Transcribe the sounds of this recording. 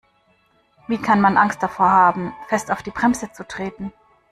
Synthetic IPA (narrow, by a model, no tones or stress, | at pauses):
viːkʰanmanʔaŋst̚d̥afoːɐhaːbm̩fɛstaʊfd̥iːbʁɛmzət͡sutʁ̥eːtn̩